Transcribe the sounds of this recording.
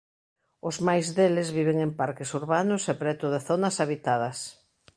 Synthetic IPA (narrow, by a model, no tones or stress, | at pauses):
ʊzmajzðelɪzβiβ̞eŋempaɾkesuɾβanʊsɛpɾɛt̪ʊðeθonɐsaβit̪að̞ɐs